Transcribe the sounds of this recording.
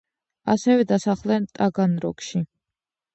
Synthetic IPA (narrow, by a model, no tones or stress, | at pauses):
asɛvɛd̪asaχlɛnt̪ʼaɡanɾɔ̰kʃi